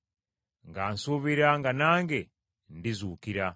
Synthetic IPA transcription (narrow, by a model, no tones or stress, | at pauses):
ŋɡaːnsuβiɾaŋɡanaːŋɡe | ndizuːkiɾa